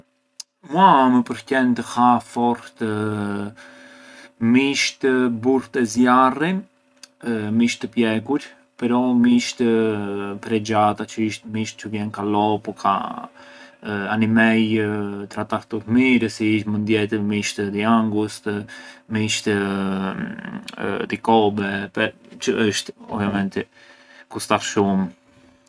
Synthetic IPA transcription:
mwaməpəɾcɛnt̪əhafɔɾt̪ə | miʃt̪əbuɾt̪ɛzjari | miʃt̪əpjɛkuɾ | pɛɾɔmiʃt̪əpɾɛd͡ʒat̪at͡ʃəiʃt̪miʃt̪̚t͡ʃəvjɛnkalɔpɔkʰa̰ | animɛjt̪ɾat̪aɾt̪ut̪miɾəsiiʃmənd̪jɛt̪əmiʃt̪əd̪iaŋɡust̪miʃt̪ə | d̪ikɔbɛpɛt͡ʃəəʃt̪ɔvjamɛnt̪ɛkust̪aɾʃum

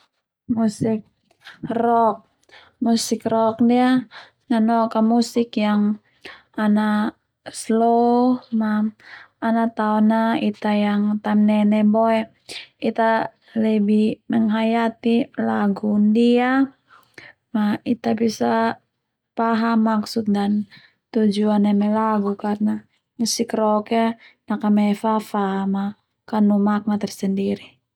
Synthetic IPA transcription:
musɪk̚ | rɔk̚ | musɪkrɔk̚dia | ŋanɔkamusɪkjaŋ | ana | slohmaː | nat̪aɔnait̪ajaŋt̪amnɛnɛboɛ | it̪a | ləbiməŋɦajat̪ilaɡundia | mait̪abisa | paɦamːaksut̪̚dan | t̪ud͡ʒuanɛmɛlaɡukarna | məsikɾɔkɛnakamɛfafama | kanumak̚nat̪ɛrsəndiɾi

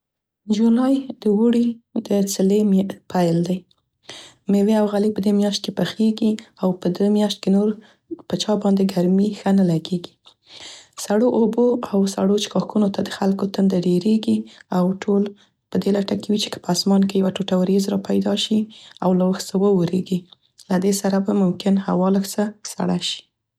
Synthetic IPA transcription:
d͡ʒulɑjd̪̥əwuɽid̪ət͡səlempʰajld̪aj | meweawɣalipəd̪emjɑʃt̪̚kepəxeɡiawpəd̪emjɑʃt̪̚kenoɾ | pət͡ʃɑbɑnd̪eɡaɾmixənalaɡeɡi̥ | saɽoʔoboawsa̰ɽot͡ʃɪ̥kɑxunot̪ad̪əxalkot̪ənd̪aɖeɾeɡiawʈʰol | pəd̪elaʈakewit͡ʃe̥kə̥pəasmɑnkejawaʈoʈawɾezɾɑpajd̪ɑʃiawlawəxsawəwoɾeɡi | lad̪esaɾabamʊmkɪnha̰wɑləxsasa̰ɽaʃi̥

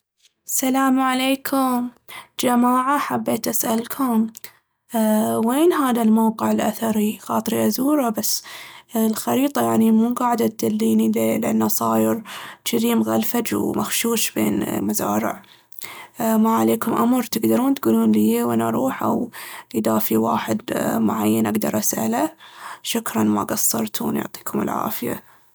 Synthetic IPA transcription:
salaːmaʕaleːkʰʊm | d͡ʒamaːʕaħabːeːt̪ʔasʔalkʰʊm | weːnɦaːðalmawqɪʕɪlʔaθɑɾˤixɑːt̪ˤɾiʔazuːɾˤabasːlxɑɾiːt̪ˤɑjaʕnimuːɡaːʕd̪at̪̚d̪alːiːnilelʔanːasˤɑːjɪɾʃiɾiːmɣalfad͡ʒwmaxʃuːʃbḛːnmazaːɾɪ̰ʕ | maʕaleːkʊmʔamɾt̪ɪɡd̪ɑɾˤuːnt̪ɡuːluːnlijeːwʔɪnaɾˤuːħʔa̰wʔd̪aːfiwaːħɪd̪mʊ̰ʕajːanʔaɡd̪ɑ̰ɾˤʔasʔa̰laʃʊkɾˤɑnma̰ɡɑsːɑɾˤt̪ʰṵːnjʊ̰ʕt̪ˤi̥ːkʰʊmɪ̰lʕa̰ːfɪja̰

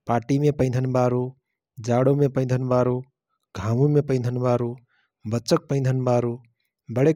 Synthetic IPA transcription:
paːʈimepəɪ̃d̪ʱənbaɾu | d͡ʒaɽomepə̃ɪ̃nd̪ʱənbaɾo | ɡʱamumepə̃ɪ̃nd̪ʱənbaɾu | bətːt͡ʃək̚pə̃ɪ̃nd̪ʱənbaɾu | bəɽe

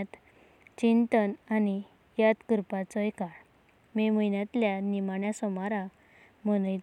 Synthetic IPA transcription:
t̪ | t͡ɕint̪ənani | jat̪kəɾpat͡sɔjkaɭ | miməjnjat̪ljanimaɳjasɔmaɾa | mənəj

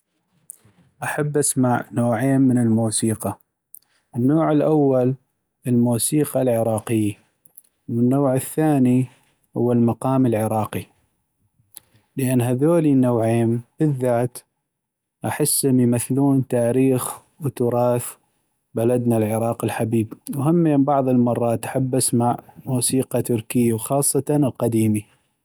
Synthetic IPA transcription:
ʔaħabːʔasmaʕnoːʕeːmːənəlmuːsiːqɑ | ʔənːoːʕɪlʔawːal | əlmuːsiːqɑlʕɪɾˤɑːqɪjːa | wənːoːʕɪθːaːni | hʊ̰wːalmɑqɑːməlʕɪɾˤɑːqi | ləʔanːɦaðoːlinːawʕeːmb̥ɪðːaːt̪ | ʔaħɪsːɪnjmaθluːnt̪aːɾiːx | wt̪ʊɾˤɑːθ | balad̪nalʕɪɾˤɑːqɪlħabiːbwhamːembɑʕðˤəlmɑrˤːɑːt̪ʔḁħabːasmaʕmuːsiːqɑt̪ʊɾkɪjːawxɑːsˤːɑlqɑd̪iːmi

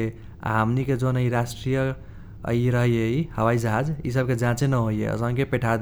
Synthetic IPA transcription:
e | a̰ɦəmniked͡ʒonəiɾasʈɾijə | ə̰iɾəɦijeihəwaid͡ʒəɦad͡ʒḭsəb̚ked͡ʒãt͡ʃenəɦoijḛə̰sə̃ŋkepeʈʰad̪

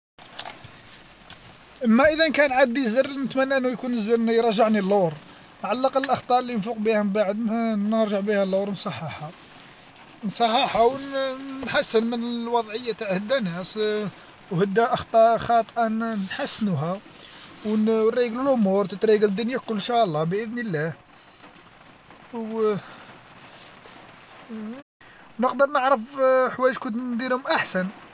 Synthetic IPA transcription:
ʔəmːæʔəðænkænʕad̪ːizərnət̪mænːæʔənːujkunəzənjɾˤɑʒəʕnilːoɾˤ | ʕalːɑqɑləlʔɑxt̪ˤɑɾˤlːinfuqbihæmbaʕəd̪nəɾʒəʕbihælːoɾˤnsˤɑħːɑħɑ | nsˤɑħːɑħɑwnħasːənmənəlwɑd̪ˤʕəjːat̪aʕhəd̪ːænæs | whəd̪ːæʔəxt̪ˤɑxɑt̪ˤʔɑnħasːnuɦæ | wnriɡləlʕʊmuɾt̪ət̪ɾiɡləd̪ːʊnjækʊlːʃæʔəlˤːɑbʔəd̪nəlːæh | w | nəqd̪əɾˤnəʕɾəfħwæjəʃkʊnt̪nd̪iɾhʊmʔaħsæn

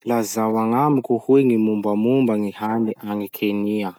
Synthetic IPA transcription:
lazawaŋamikuhueŋimumbamumbaŋihaniʔaŋikʰenia

